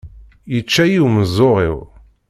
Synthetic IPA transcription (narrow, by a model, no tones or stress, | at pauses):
jət͡ʃːæjiwməzˤːoʁḭw